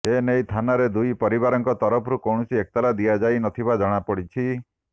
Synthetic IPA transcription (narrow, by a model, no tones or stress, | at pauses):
enejt̪ʰanaɾed̪ujpɔɾibaɾɔŋkɔt̪ɔɾɔpʰɔɾukɔwɳ̃ɔsiek̚t̪alad̪ijad͡ʒajnɔt̪ʰibad͡ʒɔɽ̃apɔɽit͡ʃʰi